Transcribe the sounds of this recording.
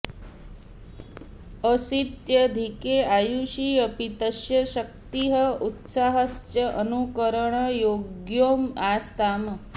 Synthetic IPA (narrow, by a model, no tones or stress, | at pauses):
əsit̪jəd̪ʱikeajuʃiəpit̪əʃjəʃək̚t̪iɦəut̪saɦəst͡ʃɐʔənukəɾəɳ̃əjoɡjoːmaːst̪aːm